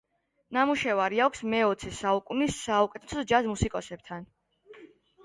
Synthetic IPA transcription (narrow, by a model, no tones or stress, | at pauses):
namuʃɛvaɾiakʷʰsmɛɔt̪sʰɛsaukʼunisːaukʼɛt̪ʰɛsɔd͡ʒazmusikʼɔsɛb̚t̪ʰan